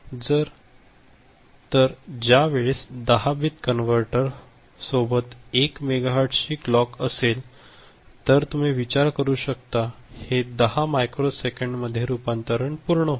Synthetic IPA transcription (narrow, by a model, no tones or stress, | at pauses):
d͡zəɾ | t̪əɾd͡ʑjaʋeɭesd̪əɦabit̪kənʋəɾʈəɾ | sobət̪ekmeɡaɦaɾʈɕiːklɔkəsel | t̪əɾt̪um̤iːʋit͡ɕaɾkəɾuːɕəkt̪ahed̪əɦamajkɾosekəɳɖməd̪ʱːjeɾupãnt̪əɾəɳpuɾɳə